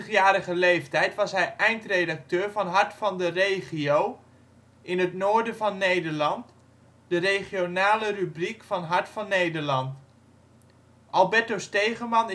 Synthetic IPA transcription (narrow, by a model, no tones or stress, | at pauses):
əχjaːɾəχəlejftɛjtʋɑsɦɛjʔɛjntrejdɑk̚tøːɹvɑnɦɑɹtfɑndərejχiow | ɪnɦətnoːɹdəvɑnːejdəɹlɑnt | d̥ərejχionaːlərybrikfɑnɦɑɹtfɑnːejdəɹlɑnt | ʔɑlˠbɛɹtostejχəmɑn